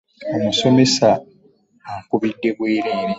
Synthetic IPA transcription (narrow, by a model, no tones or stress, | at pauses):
o̞muso̞me̞saː | kuβidːe̞ɡweːɾeːɾi